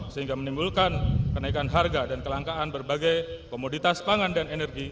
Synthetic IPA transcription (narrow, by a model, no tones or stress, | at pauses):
səɦiŋɡamənimbulkankənaikanɦarɡadankəlaŋkaːnbərbaɡajkomodit̪aspaŋandanenɛrɡi